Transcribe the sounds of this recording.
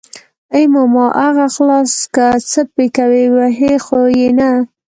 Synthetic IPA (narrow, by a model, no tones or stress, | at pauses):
əjmomɑʔaɣaxlɑskət͡səpekawiwaɦexojena